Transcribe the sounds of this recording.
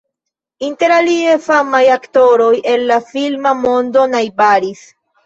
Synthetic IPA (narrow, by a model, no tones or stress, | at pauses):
inte̞ɾaliefamajakto̞ɾo̞jʔe̞lːafilmamo̞ndo̞najbaɾis